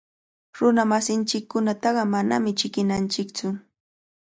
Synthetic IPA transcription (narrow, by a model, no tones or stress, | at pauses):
ɾʊnamasɪnt͡ʃɪkːʊnat̪ɑɢɑmana̰mɪt͡ʃɪkɪnant͡ʃɪkt͡sʊ